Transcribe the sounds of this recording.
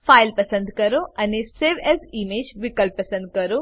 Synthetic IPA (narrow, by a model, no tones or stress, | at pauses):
faːɪlpəsə̃nd̪kəɾoɐneseʋɛzimeːd͡ʒʋikəlpːəsə̃nd̪̚kɐɾo